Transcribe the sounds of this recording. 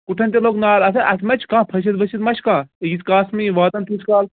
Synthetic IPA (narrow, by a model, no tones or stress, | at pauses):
kuʈʰɐnʲt̪ʲeloːknaːlɐsɐʔɐsmɐt͡ʃʰkãːpʰɐʃ̬ɐt̪ʋɐt͡ʃit̪mɐt͡ʃʰkãːjiskaːsmiʋaːt̪ɐnt̪uskaːl